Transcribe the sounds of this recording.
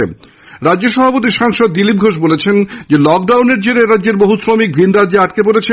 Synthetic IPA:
ḛ | ɾadd͡ʑoʃɔbʱapot̪̬iʃaŋʃod̪ːilip̚ɡʱoʃ̬bolet͡ɕʰend͡ʑelɔk̚ɖawneɾd͡ʑeɾeɾadːd͡ʑeɾboɦusɾomik̚bʱinɾad͡ʑeaʈkepoɾet͡ɕʰe

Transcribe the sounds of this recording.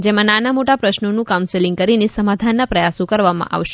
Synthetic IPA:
d͡ʒemãnanamoʈapɾəʃnonũkawnselĩŋɡ̚kəɾinesəmad̪ʱanːapɾəjasõkəɾʋamã̰ʔa̰ʋʃe̥

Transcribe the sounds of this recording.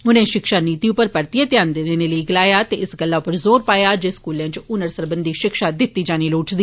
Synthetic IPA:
ʊnẽːʃɪkʃaːniːt̪iʊpəɾpəɾt̪ijət̪jaːnd̪eneneːləiɡɪlaːjaːt̪eɪsɡəlːaːʊpəɾzoːɾpaːjaːd͡ʒeːskuːlãːt͡ʃʊnəɾsəɾbənd̪iːʃɪkʃaːd̪ɪt̪ːiːd͡ʒaːniːloːʈd̪iː

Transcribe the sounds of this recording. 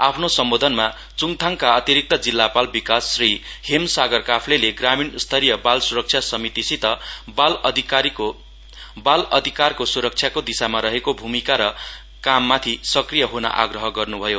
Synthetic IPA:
apʰnosʌmbod̪ʱʌnma | t͡suŋt̪ʰaŋkaʌt̪iɾik̚t̪ʌd͡zilːapalbikasːrihemsaɡʌrkapʰleleɡraminst̪ʰʌɾijʌbalsuɾʌk̚t͡sʰjasʌmit̪isit̪ʌbald̪ʱiio | balʌd̪ʱikarkosuɾʌk̚t͡sʰjakod̪isamaɾʌɦekobʱumikaɾʌ | kamːat̪ʰisʌkrijʌɦonʌ̰ʔa̰ɡrʌɦʌɡʌrnubʱʌjo

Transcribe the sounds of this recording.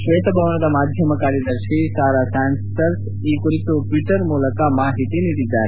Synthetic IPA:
ʃʋeːt̪bʱɐʋəɳ̃ɐd̪amaːd̪ʱjɐməkaːɾjɐd̪ɐɾʃisaːɾasaːnsʈəɾs | iːkuit̪oʈʋiʈəɾmuːləkamaːɦit̪init̪id̪aːɾ

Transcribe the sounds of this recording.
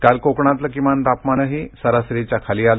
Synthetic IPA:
kalkokɳãt̪̬lakimant̪apmanəɦisəɾasɾit͡ɕakʰalial

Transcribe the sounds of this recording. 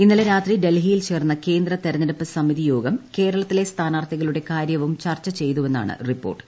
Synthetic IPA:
inːɐleɾaːt̪riɖe̞lɦijilt͡ɕe̞ːrnːɐke̞ːnd̪rɐt̪eɾɐnɐɾɐpːɨsɐmiðijo̞ːɡɐmke̞ːɾɐɭɐt̪ːile̞st̪ʰaːnaːrt̪ʰiɣɐɭuɽe̞kaːɾjɐʋumt͡ɕɐrt͡ɕːɐt͡ɕe̞jt̪ue̞nːa̰ːɳɨ̰ripːo̞̰ːrʈːɨ̥

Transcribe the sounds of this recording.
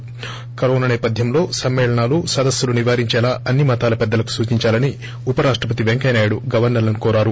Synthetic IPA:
kɐɾoːnɐnɛːpɐd̪ʱjɐmlo̞ːsɐmːeːɭɐɳaːlusɐd̪ɐsjuluniʋaːɾiɲt͡ʃɛːlaːɐnːimɐt̪aːlɐpɛd̪ːɐlɐku̥suːt͡ʃiɲt͡ʃaːlɐni | upɐɾaːʂʈɾɐpɐt̪iʋeŋkɐjnaːjuɽuɡɐʋɐɾnɐlɐnukɔːɾaːɾu

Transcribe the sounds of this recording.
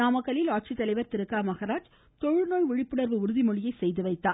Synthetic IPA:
naːmɐkːɐlɪlaːʈ̚t͡ʃit̪ːɐlɐɪʋɐɾt̪ɪɾɯkːaːmɐɣɐɾaːd͡ʒ | t̪ɔɻɯnoːɻʋɪɻɪpːɯɽɐɾʋɯʊɾɯðimɔɭɪjɐɪsɛjðɯʋɐɪt̪ːaː

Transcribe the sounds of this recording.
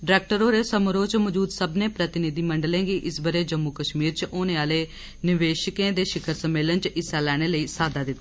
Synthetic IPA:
ɖɾɛːk̚ʈəɾoːɾeːsəmɾoːt͡ʃməd͡ʒuːd̪səbneːpɾət̪ɪnɪd̪iːməɳɖəlẽːɡiːʔɪsbəɾeːd͡ʒəmːuːkəʃmiːɾt͡ʃʔoːneːaːleː | nɪʋeːʃkẽːd̪eːʃɪkʰəɾsəmːeːlənt͡ʃɪsːaːlɛːɽ̃eːləiːsaːd̪aːd̪ɪt̪ː

